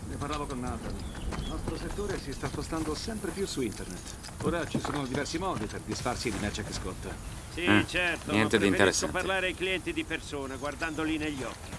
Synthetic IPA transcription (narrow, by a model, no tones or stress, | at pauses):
neparlaːvokonːaːt̪aliiilnɔst̪ɾoset̪ːoːɾesist̪aspost̪and̪osɛmpɾepjusuint̪ernet̪ː | oːɾat͡ʃisoːnod̪ivɛrsimɔːd̪iperd̪isfarsid̪imɛt͡ʃakeskɔt̪ːa | sit͡ʃɛrt̪oɲɛnt̪ed̪int̪eɾessoparlaːɾeajkliɛnt̪id̪ipersoːnaɡward̪and̪olineʎːiɔkːi